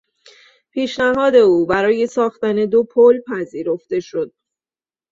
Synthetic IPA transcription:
pʰiːʃnæɦɒːd̪e̞uːbæɾɒːje̞sɒːxt̪æne̞d̪o̞pʰolpʰæziːɾo̞ft̪e̞ʃo̞d̪̥̚

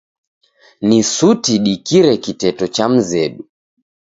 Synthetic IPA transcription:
nisutiɗikiɾɛkitɛtɔt͡ʃam̩zɛɗu

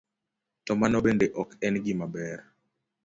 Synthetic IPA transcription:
tɔmanɔbendeʔɔkɛnɡɪmabɛɾ

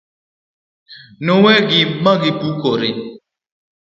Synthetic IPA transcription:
nowɛɡɪmaɡɪpukoɾe

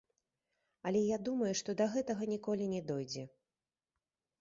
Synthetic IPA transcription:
ɐlʲɛjad̪umɐjuʂt̪ɔd̪ɐɣɛt̪ɐɣɐnʲikɔlʲinʲɛd̪ɔjd͡zʲɛ

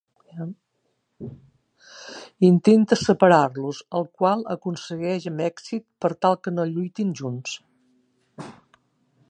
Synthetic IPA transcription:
int̪ent̪əsəpəɾarluzəlˠkwalˠəkunsəɣɛʒəmɛksit̪pəɾt̪alˠkənoʎujt̪inʒuns

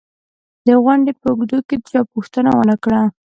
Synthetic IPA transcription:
d̪əɣwaɳɖepəʊɡd̪oked̪ət͡ʃɑpuxt̪ənawənəkɽa

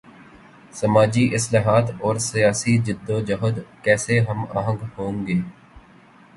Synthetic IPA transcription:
səmaːd͡ʒiʔɪslaːɦaːt̪ɔːɾsɪjaːsid͡ʒɪd̪ːod͡ʒəɦəd̪kɛːseɦəma̰ːɦə̃ŋɡhõːŋɡeː

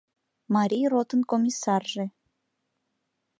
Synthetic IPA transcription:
mɑɾʲijrot̪ənkomʲisɑrʒĕ

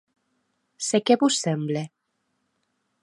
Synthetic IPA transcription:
sekeβusːemble

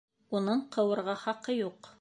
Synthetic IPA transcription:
unɤɴqʰɤ̆wɤ̆ɾʁɑχɑqɤjuq

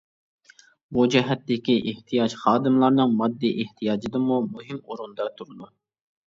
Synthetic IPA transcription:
bud͡ʒɛɦɛt̪ːɪkʲiʔeht̪ʰijɑt͡ʃχɑːd̪ɨmlˠɑɾnɨŋmɑd̪ːiʔeht̪ʰijɑːd͡ʒid̪ɨmumuɦɪmuɾund̪ɑt̪ʰuɾɨd̪u

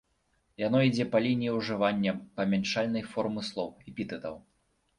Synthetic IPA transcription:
janɔid͡zʲɛpɐlʲinʲijiwʐɨvanʲːɐpɐmʲant͡ʂalʲnɐjfɔrmɨslˠɔwɛpʲit̪ɨd̪ɐw

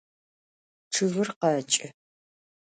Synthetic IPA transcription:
ʈ͡ʂʰɨvɨrqɐːt͡ʃʼɪ

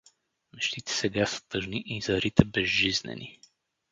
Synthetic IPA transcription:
mɛʃt̪it̪ɛ̥sɛɡasə̥t̪ɤʒniʔizɐɾit̪ɛbɛzʒiznɛ̰ni

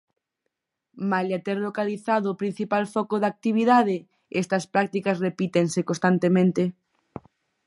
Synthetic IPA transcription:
maljat̪eɾlokaliθaðoːpɾin̟θipalfɔkoðak̚t̪iβ̞iðaðe | ɛst̪ɐspɾak̚t̪ikɐsrepit̪eŋsekõst̪ant̪emẽnt̪e

